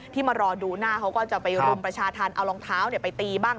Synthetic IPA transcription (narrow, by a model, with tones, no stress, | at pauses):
t̪ʰiː˥˩maː˧ɾɔː˧duː˧naː˥˩kʰa˦˥wkɔː˥˩t͡ɕa˨˩pa˧jɾu˧mpɾa˧t͡ɕʰaː˧t̪ʰaː˧nʔa˧wlɔː˧ŋt̪ʰaː˦˥wni˥˩ɐpa˧jt̪iː˧baː˥˩ŋ